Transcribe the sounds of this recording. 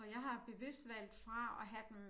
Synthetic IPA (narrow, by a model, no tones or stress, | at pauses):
ɒ̽jɑ̈ɪɦɑ̈b̥e̝ʋe̝sd̥ʋæl̰d̥fʁɑ̈ɒ̽ɦæd̥em